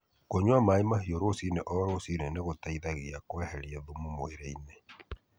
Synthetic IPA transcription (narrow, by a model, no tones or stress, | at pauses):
koɲwamaimaɦioɾosineʔɔɾosineneɣotaiðaɣiakwɛhɛɾiɛðumomweɾeinɛ